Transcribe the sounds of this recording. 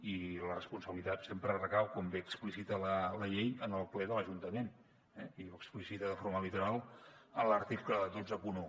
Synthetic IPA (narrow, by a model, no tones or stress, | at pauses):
ilərəspunsəβilit̪at̪sempɾərəkawkombeəksplisit̪ələləʎejənəlˠplɛðələʒunt̪əmen | ɛiβoksplisit̪əðəfoɾməlit̪uɾalˠənlart̪ikəəd̪ozəpuno